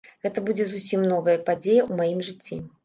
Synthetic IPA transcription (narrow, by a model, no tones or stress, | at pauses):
ɣɛt̪ɐbud͡zʲɛzusʲimnɔvɐjɐpad͡zʲejɐumajimʐɨt͡sʲːḭ